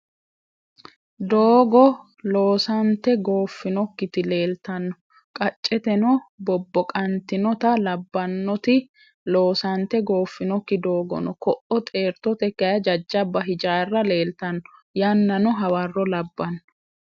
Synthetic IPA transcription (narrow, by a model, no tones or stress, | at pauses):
d̪oːɡɔ | lo̞ːsɐnt̪ɛɡo̞ːfːɪnɔkːɪt̪ɪle̞ːlt̪ɐnːɔ | kʼɐt͡ʃʼːɛt̪ɛnɔbɔbːɔkʼɐnt̪ɪnɔt̪ɐlɐbːɐnːɔt̪ɪ | lo̞ːsɐnt̪ɛɡo̞ːfːɪnɔkːɪd̪o̞ːɡɔ̰nɔkɔʔɔt̪ʼe̞ːɾt̪ɔt̪ɛkːɐjɐd͡ʒɐd͡ʒːɐbɐɦɪd͡ʒaːrːɐle̞ːlt̪ɐnːɔjɐnːɐnɔɦɐwɐrːɔlɐbːɐnːɔ̥